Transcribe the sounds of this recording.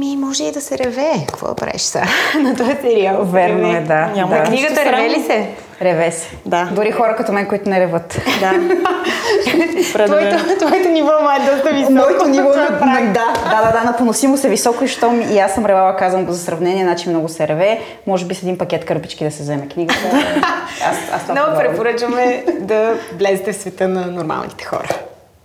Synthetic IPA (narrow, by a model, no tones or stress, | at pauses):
mimɔʒɛid̪ɐsɛɾɛvɛkkvɔ̰d̪ɐ̰pɾa̰vḭʃsa̰nɐt̪ajɐsɛɾiavɛɾnoɛd̪aɲʲamakniɡəɾɛɾvɛlisɛ | ɾɛvɛsɛ̥d̪ad̪ʊɾixɔɾɐkɐt̪omɛnkoit̪ʊnɛɾɛvɤt̪d̪a | t̪vɔɛot̪vɔɛt̪onivɔmaɾd̪ɔst̪əizmɔɛt̪onivɔd̪ad̪ad̪ad̪anɐponosimosɛvisɔkoiʃt̪ɔmiasːəmɾɛvavɐkazɐnɡozɐsɾɐvnɛnʲiɛnat͡ʃimnɔɡʊsɛɾɛvɛ | mɔʒɛbisɛd̪inpɐkʲɛt̪kəɾpit͡ʃkid̪ɐsɛzɛmɛkniɡət̪ə | a̰sa̰snnɛpɾɛpoɾət͡ʃvəmɛd̪ɐvlɛzɛt̪ɛfsvɛt̪ənɐnoɾma̰lˠnit̪ɛ̥xɔ̰ɾə